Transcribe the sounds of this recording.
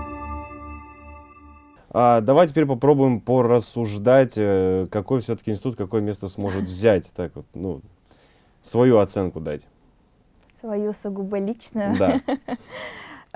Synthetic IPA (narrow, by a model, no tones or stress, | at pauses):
ad̪ɐvajtʲɪpʲeɾʲpɐpɾo̞bʊjɪmpərəsːʊʐd̪atʲəkɐkojfsʲot̪ə̥kʲɪnsʲɪt̪ut̪̚kɐko̞jəmʲe̞st̪əsmo̞ʐɨt̪vzʲætʲt̪akvot̪̚nṵ | svɐjuɐt̪sɛnkʊd̪a̰tʲ | svɐjusʊɡubəlʲit͡ɕnʊjʊd̪a